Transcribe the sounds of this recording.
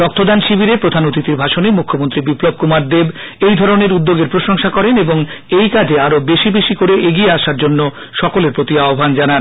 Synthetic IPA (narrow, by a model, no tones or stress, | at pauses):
ɾɔk̚t̪ʰod̪anʃibiɾepɾod̪ʱanot̪it̪iɾbʱaʃonemukʰːomont̪ɾibiplob̚kumaɾd̪eb | ejd̪ʱɔɾoneɾud̪ːoɡeɾpɾoʃoŋʃakɔɾeneboŋ | ejkad͡ʑʱeaɾobeʃibeʃikoɾeʔeɡieaʃaɾd͡ʑonːo | ʃɔkoleɾpɾot̪iaobʱand͡ʑanan